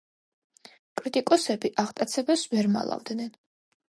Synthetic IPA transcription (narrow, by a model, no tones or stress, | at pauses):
kʼɾit̪ʼikʼɔsɛbiʔaʁt̪ʼat̪sʰɛbɛsvɛɾma̰lˠa̰vd̪nɛn